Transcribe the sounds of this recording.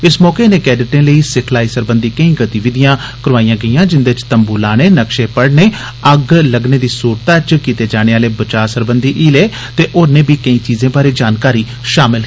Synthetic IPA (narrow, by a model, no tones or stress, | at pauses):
ɪsmɔːkeːneːkɛːɖɪʈẽːləiːsɪkʰlaːiːsəɾbənd̪iːkəĩːɡət̪iːʋɪd̪ɪjãː | kəɾʋaːijãːɡəiːãːd͡ʒɪnd̪eːɪt͡ʃt̪əmbuːlaːneːnəkʃeːpəɽneː | əɡləɡneːd̪iːsuːɾt̪aːt͡ʃkiːt̪eːd͡ʒaːɽ̃eːaːleːbət͡ʃaːsəɾbənd̪iːʔiːleː | t̪eːʔoːɾnẽːbiːkəĩːt͡ʃiːzẽːbaːɾeːd͡ʒaːnkaːɾiː | ʃaːmɪlɦ